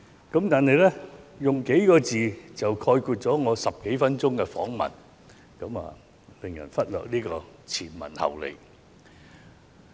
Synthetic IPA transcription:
kɐ˨˥mt̪aː˨nhɐ˨jlɛ˥jʊ˨ŋke˨˥jkɔː˧t͡siː˨˩t͡sɐ˨wkʰɔː˧jkuː˧t̚t͡sɔː˨˥ŋɔː˨˧sɐ˨p̚ke˨˥jfɐ˥nt͡sʊ˥ŋkɛː˧fɔ̰ː˨˥ŋmɐ̰˨˩n | kɐ˨˥ma̰ː˨ | pɪ˨˩ŋjɐ̰˨˩nfɐ˥t̚lœː˨k̚niː˥kɔː˧t͡sʰiː˨˩nmɐ̰˨˩nhɐ̰˨wlḛ˨˩j

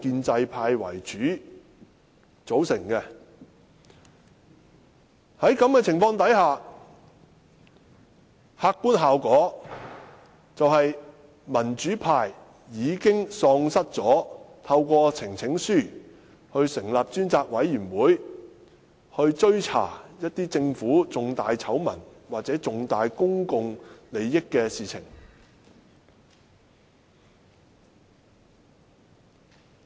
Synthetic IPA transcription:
kiː˧nt͡sɐ˧jpʰaː˧jwɐ̰˨˩jt͡ʃyː˨˥ | t͡so˨˥wsɪ˨˩ŋkɛ˧ | hɐ˨˥jkɐ˨˥mkɛː˧t͡sʰɪ˨˩ŋfɔː˧ŋt̪ɐ˨˥jɦaː˨˧ | haː˧k̚kːuː˥nɦaː˨wkɔː˨˥ | t͡sɐ˨whɐ˨j | mɐ˨˩nt͡ʃyː˨˥pʰaː˧jː | iː˨˧kɪ˥ŋsɔː˧ŋsɐ˥t̚t͡sɔː˨˥t̪ʰɐ˧wkʷɔː˧t͡sʰɪ˨˩ŋt͡sʰɪ˨˥ŋsyː˥˩ | hɵ˧ɥsɪ˨˩ŋlaː˨p̚t͡ʃyː˥nt͡saː˧k̚wɐ˨˥jːyː˨˩nwuː˨˥j | hɵ˧ɥt͡ʃɵ˥ɥt͡sʰa̰ː˨˩jɐ˥t̚t̪iː˥t͡sɪ˧ŋfuː˨˥t͡sʊ˨ŋt̪aː˨jt͡sʰɐ˨˥wmɐ˨˩nwaː˨k̚t͡sɛː˨˥t͡sʊ˨ŋt̪aː˨jkʊ˥ŋkʊ˨ŋle˨˧jːɪ˥kːɛː˧siː˨t͡sʰɪ̰˨˩ŋ

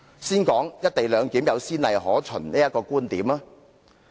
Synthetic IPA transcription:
siː˥nkɔː˨˥ŋjɐ˥t̚t̪e˨jlœː˨˧ŋkiː˨˥mjɐ˨˧wsiː˥nlɐ˨jɦɔː˨˥t͡ʃʰɵ˨˩nniː˥jɐ˥t̚kːɔː˧kuː˥nt̪iː˨˥maː˥

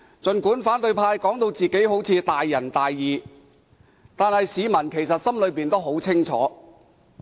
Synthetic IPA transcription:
t͡ʃɵ˨nkuː˨˥nfaː˨˥nt̪ɵ˧ɥpʰaː˧jkɔː˨˥ŋt̪o˧wt͡siː˨ke˨˥jɦo˨˥wt͡sʰiː˨˧t̪aː˨jːɐ˨˩nt̪aː˨jːiː˨ | t̪aː˨nhɐ˨jsiː˨˧mɐ˨˩nkʰe˨˩jsɐ˨t̚sɐ˥mlɵ˨˧ɥpiː˨˩nt̪o˥wɦo˨˥wt͡sʰɪ˥ŋt͡ʃʰɔ̰ː˨˥

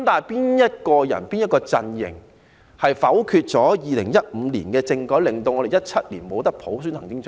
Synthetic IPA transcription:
mt̪aː˨piː˥njɐ˥t̚kɔː˧jɐ̰˨˩npiː˥njɐ˥t̚kɔː˧t͡sɐ˧njɪ̰˨˩ŋ | hɐ˨jfɐ˨˥wkʰyː˧t̚t͡sɔː˨˥jiː˨lɪ˨˩ŋjɐ˥t̚m̩˨˧lḭː˨˩nkɛː˧t͡sɪ˧ŋkɔː˨˥jlɪ˨ŋt̪o˧wŋɔ˨˧ɾe˨jɐ˥t̚t͡sʰɐ˥t̚liː˨˩nmo˨˧wt̪ɐ˥k̚pʰo˨˥ws̬y˥nhɐ˨˩ŋkɪ˥ŋt͡s

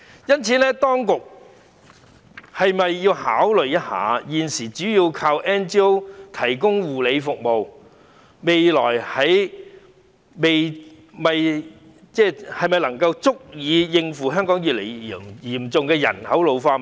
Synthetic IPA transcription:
jɐ˥nt͡sʰiː˨˧nɛː˥t̪ɔː˥ŋkʊ˨k̚ | hɐ˨jmɐ˨jːiː˧wha̰ː˨˥wlɵ˨˧jjɐ˥t̚ha̰ː˨˥jiː˨nsiː˨˩t͡ʃyː˨˥jiː˧wkʰaː˧wʔɛː˥nt͡ʃiː˥o˥wt̪ʰɐ˨˩jkʊ˥ŋwuː˨le˨˧jfʊ˨k̚mo˨w | me˨jlɔ̰ː˨˩jhɐ˨˧j | me˨j | mɐ˨j | t͡sɛː˥hɐ˨jmɐ˨jlɐ˨˩ŋkɐ˧wt͡sʊ˥k̚jiː˨˧jɪ˧ŋfuː˨˩ɦœː˥ŋkɔː˨˥ŋjyː˨t̚lḛ˨˩ji˨˩mjiː˨˩mt͡sʊ˨ŋkɛː˧jɐ̰˨˩nhɐ˨˥wlo˨˧wfaː˧

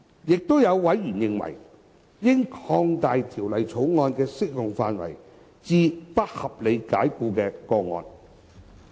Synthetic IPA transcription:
jɪ˨k̚t̪o˥wjɐ˨˧wːɐ˨˥jɥyː˨˩njɪ˧ŋwɐ̰˨˩j | jɪ˥ŋkʰɔː˧ŋt̪aː˨jt̪ʰiː˨˩wlɐ˨jt͡sʰo˨˥wŋɔː˧nkɛː˧sɪ˥k̚jʊ˨ŋfaː˧nwɐ̰˨˩j | t͡siː˧pɐ˥t̚hɐ˨p̚le˨˧jkaː˨˥jkuː˧kɛː˧kɔː˧ŋɔ̰ː˧n

